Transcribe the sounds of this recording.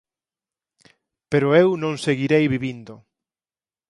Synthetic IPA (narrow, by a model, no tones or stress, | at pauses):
peɾʊewnõŋseɣiɾejβiβind̪ʊ